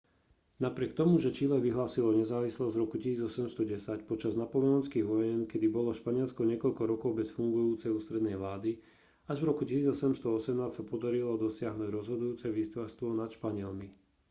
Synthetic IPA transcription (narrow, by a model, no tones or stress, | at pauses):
napɾɪɛkt̪ɔmuʒɛt͡ʃiːlɛʋiɦlaːsilɔɲɛzaːʋislɔzɾɔkucisiːd͡zɔsɛmst̪ɔɟɛsacpɔt͡ʃaznapɔlɛɔnskiːɣʋɔjɛnkɛd̪ibɔlɔʃpaɲɪɛlskɔɲɪɛkɔʎkɔɾɔkɔʊbɛsfuŋɡujuːt͡sɛjuːst̪ɾɛd̪nɛjʋlaːd̪i | aʒʋɾɔkucisiːd͡zɔsɛmst̪ɔɔsɛmnaːscsapɔd̪aɾilɔd̪ɔsɪaɦnuɟɾɔzɦɔd̪ujuːt͡sɛʋiːst̪ʋast̪ʋɔnat̪ʃpaɲɪɛlmi